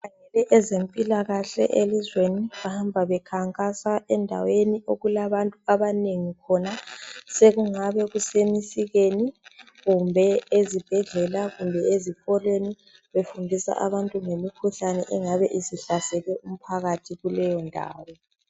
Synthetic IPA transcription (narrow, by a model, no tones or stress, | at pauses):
aŋɛlɛʔɛzempʼilaɣaɬɛ̰ʔelizweniβahambʱaβɛkʰaŋkʼasaɛndʱa̰wenioɣulaβantʼuaβaneŋikʰɔnaseɣuŋaβɛɣusemisiɣeni | ɣumbʱɛezib̥ʱɛɮɛlaɣumbʱɛezifɔlweni | βefundʱisa̰ʔaβantʼuŋemikʰuɬanɛʔɛŋaβɛʔiziɬasɛlɛʔum̩pʰaɣatʰiɣulɛjɔndʱa̰ːwɔ